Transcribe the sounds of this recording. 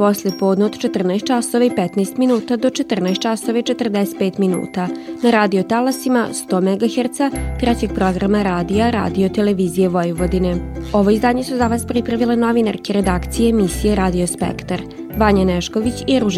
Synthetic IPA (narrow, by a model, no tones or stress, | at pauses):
po̞slepoːd̪nood̪̥t͡ʃe̞t̪r̩naest̪t͡ʃasoʋaipɛt̪naest̪minuːt̪ad̪o̞t͡ʃe̞t̪r̩naest̪t͡ʃasoʋait͡ʃe̞t̪r̩d̪ɛset̪̚peːt̪minṵːt̪anaɾaːd̪iot̪alasimast̪o̞ːmeɡaxeɾt̪sat̪ɾɛt͡ɕe̞ɡ̥̚pɾo̞ɡɾamaɾaːd̪ijaɾa̰ːd̪io̞t̪e̞leʋiːzije̞ʋo̞juʋod̪ine̞o̞ʋo̞izd̪aːɲe̞suzaʋaːspɾipɾaʋileno̞ʋina̰ɾkeɾe̞d̪aːkt̪sijeːmisijeɾaːd̪io̞spḛkt̪aɾ | ʋaɲaneʃko̞ʋit͡ɕiɾuʒ